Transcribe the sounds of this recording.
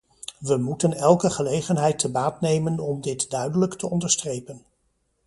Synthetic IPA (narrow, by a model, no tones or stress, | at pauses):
ʋəmutənɛlˠkəχəlejχənɦɛjtəbaːtnejmənɔmdɪtdœɥdələktəɔndəɹstrejpən